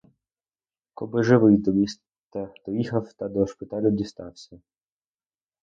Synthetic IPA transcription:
kɔbɪʒɪʋɪjd̪i | t̪ad̪̥ɔjixɐwt̪ɐd̪ɔʃpɪt̪ɑlʲʊdʲist̪ɑwsʲɐ

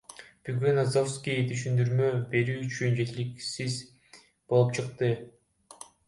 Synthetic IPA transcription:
b̥yɡynazofskʲijt̪ʰyʃ̬ynd̪yɾmøbe̞ɾyːyt͡ʃʰynd͡ʒe̞t̪iliksiz | bo̞lˠup̚t͡ʃʰɯq̚t̪ɯ

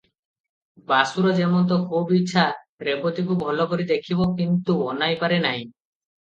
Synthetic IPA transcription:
basuɾɔd͡ʒemɔnt̪̬ɔkʰubitːʃʰa | ɾepot̪ikubʱɔlɔkoɾid̪ekʰibokint̪uonajpaɾenaj̃

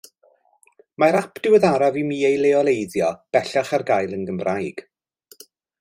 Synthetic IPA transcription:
maɾapʰd̥ɪwəðaɾavimiːejlˠeɔlˠejdjɔb̥ɛɬaχarɡajlˠənɡəmrajɡ̥

